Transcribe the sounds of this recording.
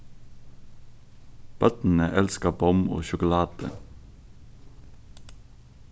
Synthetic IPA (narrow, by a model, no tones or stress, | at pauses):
b̥œt̪n̩əʔɛlskəbɔmo̰ːʃʊkʊlɑːd̪̥ə̰